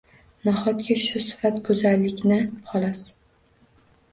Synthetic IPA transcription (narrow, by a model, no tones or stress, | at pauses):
naχɒt̪kʲaʃʊsɪ̥fat̪kʰɵzalːɪkʲnɪhɒlɒs